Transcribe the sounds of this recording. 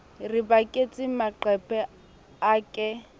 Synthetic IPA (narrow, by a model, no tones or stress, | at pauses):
ribakʼet͡sʼɪmaǃɛpʰʼɛ | aːkʼɛ